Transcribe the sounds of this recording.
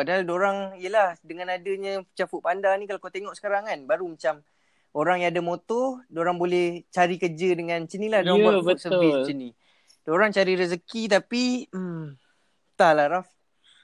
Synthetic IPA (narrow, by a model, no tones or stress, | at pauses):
padaɦaldoɾaŋijəlahdəŋanadəɲə̃t͡ʃafuʔ̚pandanĩkalakat̪eŋɔʔsə̥kaɾaŋanbaɾumat͡ʃam | oɾaŋjaŋadamot̪ɔdoɾaŋbolɛht͡ʃaɾikəd͡ʒədəŋãnt͡ʃəniladoɾaŋabəsəvist͡ʃəni | doɾaŋt͡ʃaɾiɾəzəkit̪apiəm | t̪alahɾaf